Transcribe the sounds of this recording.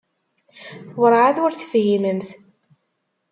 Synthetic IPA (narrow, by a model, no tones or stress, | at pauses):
wəɾˤʕaðʊɾθəfhiməmθ